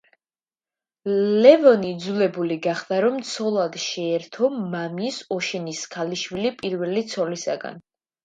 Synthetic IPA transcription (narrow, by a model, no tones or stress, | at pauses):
lɛvɔnid̪zulɛbuliɡaχd̪aɾɔmt̪sʰɔlˠad̪ʃɛɛɾt̪ʰɔmamisɔʃɛniskʰaliʃwilipʼiɾvɛlit̪sʰɔlisa̰ɡa̰n